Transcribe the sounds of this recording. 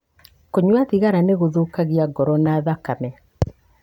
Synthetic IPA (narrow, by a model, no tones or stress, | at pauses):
koɲwaðiɣaɾaneɣoðokaɣiaɡɔɾɔnaːðakamɛ